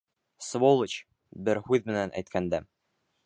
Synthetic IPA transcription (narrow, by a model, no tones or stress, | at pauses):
svolˠɘt͡ɕ | bɘɾhʉðmɘ̆nænʔæ̰jt̪kʰænd̪æ